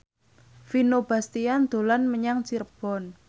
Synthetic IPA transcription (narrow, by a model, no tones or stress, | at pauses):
finob̥a̤st̪iand̪̥o̤lanməɲaŋsirb̥ɔ̤n